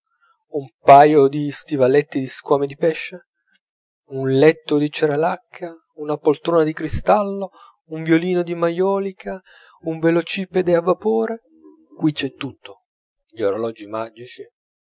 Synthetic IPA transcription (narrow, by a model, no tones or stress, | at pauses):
umpajod̪ist̪ivalɛt̪ːid̪iskwɔːmed̪ipɛʃːe | unlɛt̪ːod̪it͡ʃeɾalakʰːa | unapolt̪ɾoːnad̪ikɾist̪alːo | uɱvjoliːnod̪imajɔːlikʰa | uɱvelot͡ʃiːped̪eavːapoːɾe | kwit͡ʃːɛt̪ːut̪ːo | ʎioɾolɔd͡ʒimad͡ʒit͡ʃi